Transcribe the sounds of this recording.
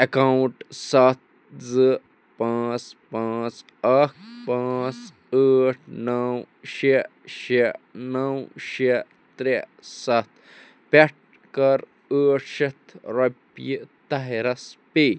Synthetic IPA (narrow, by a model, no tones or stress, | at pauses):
ekawʈsɐt̪̚ | zɨ | pãːt͡spãːt͡s | ɐk̚ʰpãːt͡s | əːʈʰnɐw | ʃeʃenɐwʃe | t̪ɾesɐt̪̚ʰ | peʈ̚ | kɐɾ | əːʈʰʃet̪ʰɾɐpjit̪ɐɦeɾɐspe